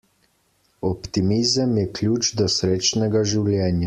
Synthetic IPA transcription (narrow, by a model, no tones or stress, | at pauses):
ɔpt̪imizəmjɛklʲuːd͡ʒd̪ɔsɾeːt͡ʃnɛɡaʒiwlʲjɛːnja